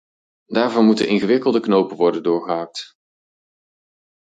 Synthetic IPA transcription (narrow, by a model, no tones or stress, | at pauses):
daːɹvʊnmutənɪnχəʋɪkəlˠdəknowpənʋɔɹdəndʊːɹχəɦaːk̚t